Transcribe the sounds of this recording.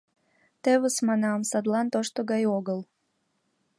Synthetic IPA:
t̪eβəsmɑnɑmsɑd̪lˠɑnt̪oʃt̪oɡɑjoɡəlˠ

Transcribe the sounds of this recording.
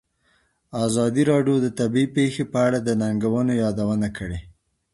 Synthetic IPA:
azɑd̪iɾɑɖjod̪ət̪abiipexepəaɽad̪ənaŋɡawənojɑd̪awənakəɽe

